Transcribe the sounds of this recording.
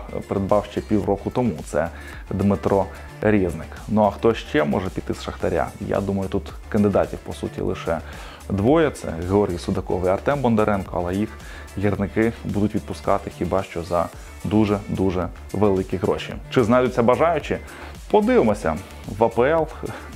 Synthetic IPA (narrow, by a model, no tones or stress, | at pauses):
peɾed̪̚bɑwʃt͡ʃɛpʲiwrɔkʊt̪ɔmut̪sɛ̰ | d̪mɪt̪ɾɔ | ɾʲiznɪknuɐxt̪ɔʃt͡ʃɛmɔ̰ʐɛpʲit̪ɪsʃɐxt̪ɐɾʲa̰ja̰d̪umɐjʊt̪ut̪ | kɐnd̪ɪd̪ɑtʲiwpɔsṵtʲḭlˠɪ̰ʃɛ | d̪ʋɔjɛt̪sɛ̰ɣeɔɾʲɦʲijsʊd̪ɐkɔ̰ʋiɐrt̪ɛmbɔnd̪ɛɾʔɛnkɔɐlˠɛjix | ɦʲirnɪkɪbud̪ʊtʲʋʲid̪̚pʊskɑt̪ɪxʲibɑʃt͡ʃɔzɐ | d̪uʒɛd̪uʒɛ | ʋelˠɪkʲiɣɾɔ̰ʃḭt͡ʃɪznɑjd̪ʊt͡sʲːɐbɐʒɑjʊt͡ʃɪ | pɔd̪ɪʋɪmɔsʲɐ̰ | ʋɐpɛɛlˠ